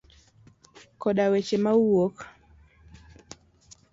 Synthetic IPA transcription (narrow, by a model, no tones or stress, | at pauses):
kɔɗawet͡ʃemauwok